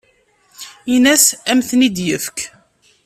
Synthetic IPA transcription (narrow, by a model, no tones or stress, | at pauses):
inæsæmθnid̪jəfk